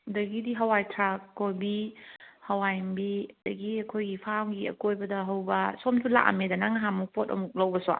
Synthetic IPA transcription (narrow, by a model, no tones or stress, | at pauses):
dɐɡidiɦɐwajtʰɾakːobihɐwajmbid̥ɐɡiɐkʰojɡipʰamɡiɐ̰kojbɐdɐɦɐwbɐsomtʰula̰ʔa̰medɐnaŋaɦamuk̚pʰotɐ̰muk̚lɐwbɐswa̰